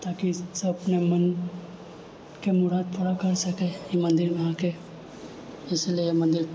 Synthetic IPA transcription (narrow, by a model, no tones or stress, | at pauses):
t̪aːkisɐbɐpnemɐn | kemʊɾaːd̪̚pʰʊɾakɐɾsɐkejemɐ̃nd̪ɪɾʋɐɦãke | ɪsliejemɐ̃nd̪ɪɾ